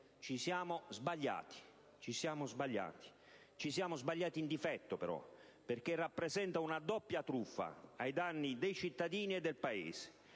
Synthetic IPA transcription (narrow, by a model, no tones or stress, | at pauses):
t͡ʃisjaːmozbaʎːa̰ːt̪i̥ | t͡ʃisjaːmozbaʎːa̰ːt̪i̥ | t͡ʃisjaːmozbaʎːaːt̪iːnd̪ifɛt̪ːopɛɾɔ̰ | perk̟erːapːɾɛzɛnt̪aunad̪ɔpːjat̪ɾufːa̰ajd̪anːid̪ɛjt͡ʃit̪ːad̪iːniɛd̪ːɛlpaḛːze̥